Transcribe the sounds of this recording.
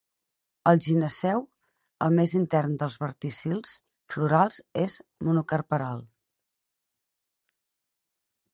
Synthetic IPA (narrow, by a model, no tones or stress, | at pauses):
əlˠʒinəsɛw | ə̰lˠmezint̪ɛrnd̪əlˠzβəɾt̪isilˠs | fluɾalˠzezmunukərpəɾalˠ